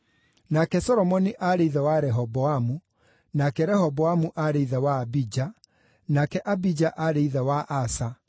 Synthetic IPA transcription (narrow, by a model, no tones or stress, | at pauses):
nakɛsɔɾɔmɔniʔaɾeiðɛwaɾɛɦɔbɔamu | nakɛɾɛhɔbɔamuʔaɾeiðɛwaːbid͡ʑa | nakɛʔabid͡ʑaʔaɾeiðɛwaʔasa